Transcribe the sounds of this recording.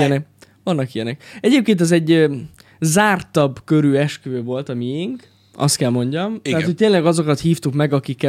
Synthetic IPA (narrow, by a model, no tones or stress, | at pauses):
ɛnɛ | vɒnːɒkijɛnɛk̚ɛɟeːp̚keːnt̪ɛzɛɟː | zaːrt̪ɒbkø̞ɾyːɛʃkøːvo̞lt̪ɒmiiŋk | ɒ̰st̪kɛlmo̞ɲɟɒmt̪ɛɦatt̪ho̞c̚t̪eːnlɛɡɒzo̞kɒt̪hiːft̪ukmɛɡɒkikːɛ